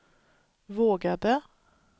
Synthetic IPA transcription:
voːɡad̪ə

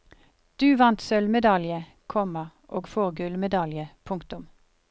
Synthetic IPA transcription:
d̪̥ʉːʋɑnt̪sœlmɛd̪ɑljə | kʰɔməʔoːɡfoːʁɡʉlmɛd̪ɑljəpʰʊŋkt̪ʊm

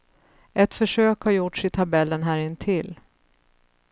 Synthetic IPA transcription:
ʔɛt̪fœʂøːkhaɾjʊʈʂɪt̪ʰabɛlːənɦæːɾɪnt̪ʰɪl

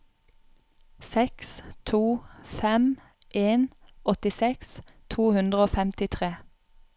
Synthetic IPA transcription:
sɛkst̪ʰuːfɛm | ʔeːnɔt̪ɪsɛks | t̪ʰuːhʉnd̪ʁəoːfɛmt̪ɪt̪ʰʁeː

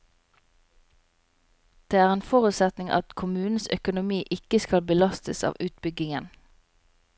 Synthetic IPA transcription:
d̪̥eːæːʁeːnfɔʁʉt̪sɛt̪nɪŋʔɑ̰t̪kʰʊmʉːn̩sœkʊnʊmiːʔɪkəskɑlbəlɑst̪əsɑ̰ːʋʉːt̪̚bʏɡɪŋən

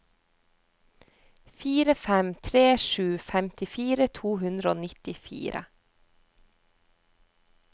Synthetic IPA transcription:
fiːɾəfɛmt̪ʰɾeːʃʉːfɛmt̪ɪfiːɾət̪ʰuːhʉnd̪ɾəo̰ːnɪt̪ɪfḭːɾʔə̰

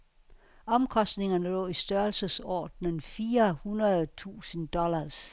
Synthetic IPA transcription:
ɒ̽mkʰɒ̽sd̥ne̝ŋɐnəlɔ̰̽ːisd̥ɶɐlsəsɒ̰ːd̥nənfiːɐhunɐðˠt͡sʰṵːsənd̥ɒlɐs

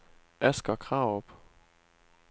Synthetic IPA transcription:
ʔæsɡ̥ɐkʰʁɑ̈ʊɔb̥

